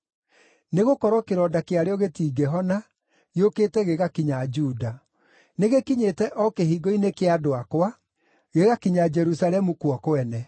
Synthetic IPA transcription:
neɣokɔɾɔkeɾɔdakeaɾeɔɣetiːɡɛɦɔna | jokeːtɛɣeɣakiɲad͡ʒuːda | neɣekiɲetɛʔɔkehiɡɔinekeadoakwa | ɣeɣakiɲad͡ʒɛɾusalɛmukwɔkoɛnɛ

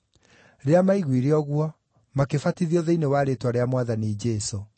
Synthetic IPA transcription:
ɾeamaiɣwiɾeɔɣwɔ | makefatiðiɔðeinewaːɾetwaɾeamwaðanid͡ʒɛso

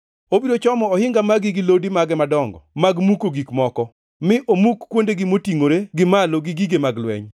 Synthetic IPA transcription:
obiɾot͡ʃɔmɔɔhɪŋɡamaɡɪɡɪlodimaɡɛmadɔŋɡɔ̰maɡmukoɡikmɔkɔ | mɪʔomukːwondeɡɪmotiŋoɾeɡɪmaloɡɪɡiɡemaɡlwɛ̰ɲ

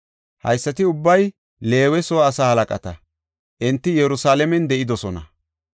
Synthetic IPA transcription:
hɐ̰jsːɐt̪ɪʊbːɐj | le̞ːwɛsoːsaːhɐlɐkʼɐ̰t̪ɐ | ʔɛnt̪ːɪjɛɾʊsaːlɛmɛnd̪ɛʔɪd̪ɔsɔnɐ̰

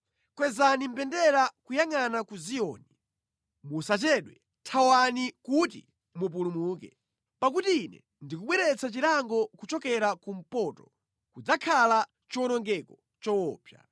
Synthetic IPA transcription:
kwɛzanim̩pɛndɛɾakujaŋanakuzijɔ̰ːni | musat͡ʃɛɗwɛ | tʰawanikutḭ | mup̬ulumuːkɛ̰ | pak̬utiːnɛ̰ | ndikuɓwɛɾɛt͡sat͡ʃiɾaŋɡɔkut͡ʃɔkɛɾakum̩pɔtɔ | kud͡zakʰala | t͡ʃɔnɔŋɡɛkɔ | t͡ʃɔwɔːpʰja̰

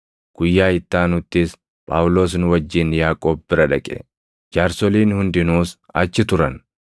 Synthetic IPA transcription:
ɡ̥ʊjːaːɪt̪ːaːnʊt̪ːɪs | pʼa̰ːwʊloːs̬nʊwɐd͡ʒːɪnjaːkʼoːbːɪɾɐᶑɐkʼɛ̰ | d͡ʒaːɾsɔliːnhʊnd̪ɪnuːs | ɐ̰t͡ʃːɪt̪ʊɾɐn

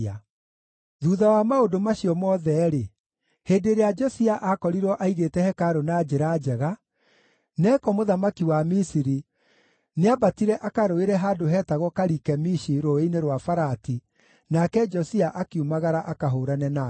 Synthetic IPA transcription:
a | ðuːðawamaodomaɕijɔmɔːðɛɾe | heːdeɾead͡ʒɔsiaʔakɔɾiɾwɔʔaiɣetɛhɛkaɾonaːd͡ʒeɾad͡ʒɛɣa | nɛːkɔmoðamakiwamisiɾi | neabatiɾɛʔakaɾoeɾɛɦadoɦɛːtaɣɔkaɾikɛmiʃiɾoeineɾwafaɾati | nakɛd͡ʒɔsiaʔakeumaɣaɾaʔakaɦoɾanɛna

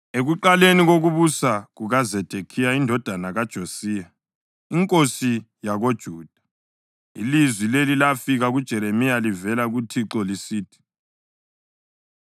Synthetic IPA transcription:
eɣuǃaleniɣoɣuβusaɣuɣazɛd̥ʱekʰijaindʱɔd̥ʱanaɣad̥ʒ̥ʱosiːja | iŋkʼosi | jaɣod̥ʒ̥ʱuːd̥ʱḁ | ḭlizwilelilafiɣaɣud̥ʒ̥ʱɛɾemijalivɛlaɣutʰiǁɔlisiːtʰi̥

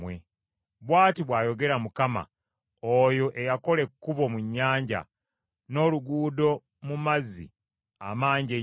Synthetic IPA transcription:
we | βwaːtiβwaːjo̞ɡe̞ɾamukama̰ | ojo̞ʔejako̞le̞kːuβo̞muɲːaːɲɟa̰ | no̞ːluɡuːdo̞ | mumazḭ | a̰maːɲɟe

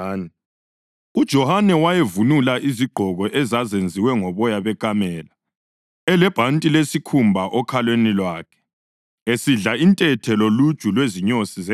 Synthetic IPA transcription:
nɛ | ud̥ʒ̥ʱɔhanɛwajevunulaʔiziɡ͡ǃʱɔɣɔʔɛzazend͡zʱiwɛŋɔβɔjaβɛkamɛːla | ɛlɛb̥ʱantʼilesikʰumbʱaʔɔkʰalwenilwaːkʰɛ̥ | esiɮaintʼɛtʰɛlolud̥ʒ̥ʱʼulweziɲosizɛ

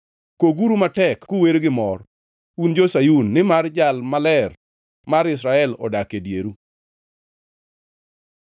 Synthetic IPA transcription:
koɡuɾumatɛkːuweɾɡɪmɔr | und͡ʒosajunːɪmard͡ʒalmalɛr | maɾɪs̬ɾaɛlɔ̰dakedjeɾu

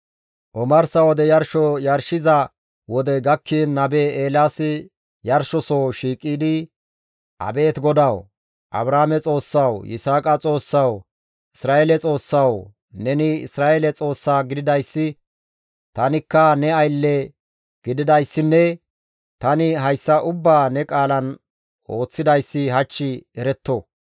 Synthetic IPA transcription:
ʔɔmɐɾsɐwɔd̪ɛjɐɾʃɔjɐɾʃɪzɐ | wɔd̪ɛɡɐkʰːinnːɐbeːeːlaːsɪ | jɐɾʃɔsoːʃiːkʼːiːd̪ɪ | ʔɐ̰be̞ːt̪ɡɔd̪ɐw | ʔɐ̰bɾaːmɛt͡sʼo̞ːsːɐwjɪ̰saːkʼɐt͡sʼo̞ːsːɐw | ɪsɾaːeːlɛt͡sʼo̞ːsːɐw | nɛnɪɪ̰sɾaːʔelɛt͡sʼo̞ːsːaːɡɪd̪ɪd̪ɐjsːɪ | t̪ɐnɪkːɐnɛɐjlːɛ | ɡ̥ɪd̪ɪd̪ɐjsːɪnːɛ | t̪ɐnɪɦɐjsːɐʔʊbːaːnɛkʼaːlɐn | ʔo̞ːt͡sːɪd̪ɐjsːɪɦɐt͡ʃːɪɛɾɛt̪ːo

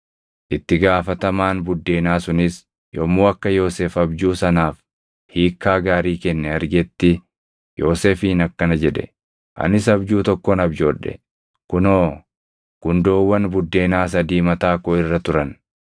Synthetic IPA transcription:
ʔɪt̪ːɪɡaːfɐt̪ɐmaːnbʊd̪ːe̞ːnaːsʊnɪs | jomoːɐkːɐjo̞ːseːfɐbd͡ʒuːsɐnaːf | hiːkːaːɡaːɾiːkɛnːɛɐɾɡɛt̪ːɪ | jo̞ːseːfiːnɐkːɐnɐd͡ʒɛᶑɛ̥̰ | ʔɐ̰nɪs̬ɐbd͡ʒuːt̪ɔkːɔnɐbd͡ʒo̞ːᶑɛ̰ | kʊnoː | ɡ̥ʊnd̪oːwːɐnbʊd̪ːe̞ːnaːs̬ɐd̪iːmɐt̪aːkoɪrːɐt̪ʊɾɐn

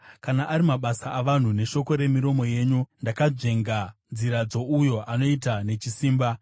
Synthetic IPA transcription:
kanaʔːɾimaɓasaːʋan̤une̞ʃo̞ko̞ɾe̞miɾo̞mo̞je̞ːɲundakad͡ʐe̞ŋɡanziɾad͡zo̞ujo̞ʔano̞itane̞t͡ʃisiːmba

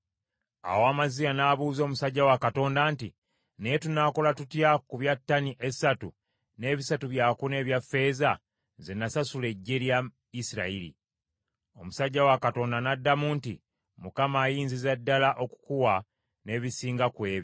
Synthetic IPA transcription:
a̰woamazijanaːβuːzo̞ːmusaɟːawakato̞ːndaːnti | nejetunaːko̞latutjakuβjatːaniʔe̞satu | ne̞ːβisatuβjaːkune̞ːβjafe̞ːza | zenasasule̞ɟːe̞lja | isiɾailḭ | o̞musaɟːawakato̞ːndanadːamuntḭ | mukamaːjiːnzizadːalaʔo̞ku̥kuwa | ne̞βisiːŋɡakwe̞ːβi

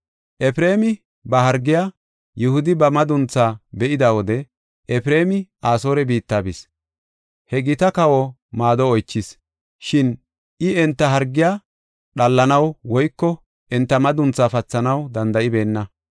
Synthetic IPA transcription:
ʔɛfɾe̞ːmɪ | bɐɦɐɾɡːɪja | jʊhʊd̪ɪbɐmɐd̪ʊnt͡sːaːbɛʔɪd̪awɔd̪ɛ | ʔɛfɪɾe̞ːmɪaːso̞ːɾɛbiːt̪ːaːbɪs | hɛɡɪt̪ɐkɐwɔ | maːd̪ɔɔjt͡ʃːɪs | ʃɪn | ʔɪɛnt̪ːɐɦɐɾɡːɪjaː | ɗɐlːɐnɐwwɔjkːɔ | ʔɛnt̪ːɐmɐd̪ʊnt͡sːaːfɐt͡sːɐnɐwd̪ɐnd̪ɐʔɪbe̞ːnːɐ

